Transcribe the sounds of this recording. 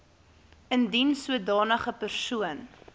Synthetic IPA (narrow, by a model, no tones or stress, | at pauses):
əndinsuədɑːnəχəpərsuən